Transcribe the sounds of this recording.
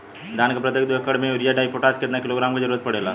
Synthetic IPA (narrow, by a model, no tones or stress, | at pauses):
d̪aːnkəpɾɐt̪jek̚d̪okːəɽmẽʊɾijaɖaːipoʈaːskɪt̪nakɪloɡɾaːmked͡ʒəɾuːɾət̪̚pɐɽeːlaː